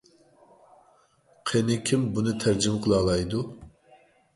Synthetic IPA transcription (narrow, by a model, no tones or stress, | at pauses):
qʰenɪkʲʰimbunɨt̪ʰæɾd͡ʒɪmqʰəlˠɑːlˠɑjd̪u